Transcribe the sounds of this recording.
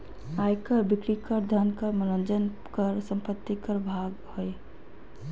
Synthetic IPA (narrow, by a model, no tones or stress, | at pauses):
ajkəɾbikɾikəɾd̪ʱankəɾməɾənd͡ʒən | kəɾsə̃mpət̪ːikəɾbʱaɡhoe